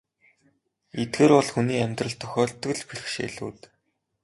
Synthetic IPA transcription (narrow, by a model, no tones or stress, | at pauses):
et̪̚ɡeːɾpɔɮxuniːæmʲt̪rə̆ɮt̪ʰːœxʲɔːɮt̪ɣɘ̆ɮpirxʃḛːɮṵːt̪